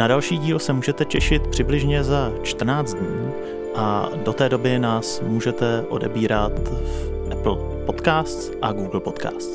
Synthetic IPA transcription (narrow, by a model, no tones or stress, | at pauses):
nadalʃiːɟiːlsɛmuːʒɛt̪ɛcɛʃɪt̪̚pr̝̥ɪblɪʒɲɛzat͡ʃt̪r̩naːt͡s̪d̪ɲiː | ʔado̞t̪ɛːdo̞bɪnaːsmuːʒɛt̪ɛʔo̞̰dɛbiːɾat̪ | ʔɛpl̩ | po̞t̪kaːst̪ | ʔaɡuːɡl̩po̞t̪ka̰ːst̪